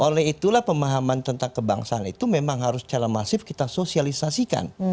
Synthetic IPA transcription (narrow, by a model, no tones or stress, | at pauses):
ʔolɛɦit̪ulahpəmaɦamant̪ənt̪aŋkəba̰ŋsaːnḭt̪umemaŋɦaɾʊst͡ʃaɾamasɪfkit̪asosialisasika̰n